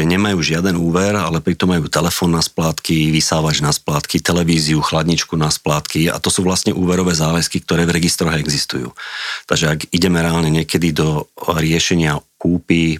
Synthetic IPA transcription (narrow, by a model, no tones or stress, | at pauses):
ɛɲɛmajuːʒɪad̪ɛnuːʋɛɾalɛpɾit̪ɔmːajuːt̪ɛlɛfɔːnːasplaːt̪kiʋisaːʋad͡ʒnasplaːt̪kit̪ɛlɛʋiːziuxlad̪ɲit͡ʃkunasplaːt̪kia̰t̪ɔsuːʋlast̪ɲɛʔuːʋɛɾɔʋɛːzaːʋɛskik̚t̪ɔɾɛːvɾɛɡist̪ɾɔɦɛɡzist̪ujṵːt̪aɡʒɛaɡiɟɛmɛɾɛaːlɲɛɲɪɛkɛd̪id̪ɔɾɪɛʃɛɲɪakuːpi